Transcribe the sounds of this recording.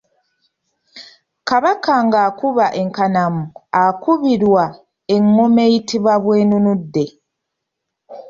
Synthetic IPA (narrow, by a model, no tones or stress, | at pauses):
kaβakaŋɡaːkuβaʔe̞ŋkanamuakuβiɾwa | eŋːome̞itiβwaβweːnunudːe̞